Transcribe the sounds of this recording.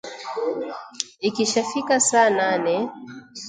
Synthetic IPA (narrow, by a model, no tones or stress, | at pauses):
ikiʃafikasaːnanɛ